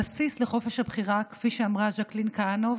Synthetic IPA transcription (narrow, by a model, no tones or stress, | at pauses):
asisle̞χo̞feʃhabχiʁakfiʃeamʁaʒaklinkanov